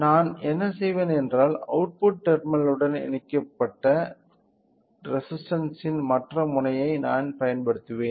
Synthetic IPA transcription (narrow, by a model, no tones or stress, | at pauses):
naːnɛnːɐsɛjʋeːnɛndraːlɐ̰ʈ̚pʊʈ̚ːɛɾmɪnɐlɯɽɐnɛ̰ɳɪkːɐpːɐʈːɐ | ɾɛsɪsʈɐnsɪnmɐʈrɐmʊnɐjɐɪnaːnpɐjɐnpɐɽɯt̪ːɯʋeːn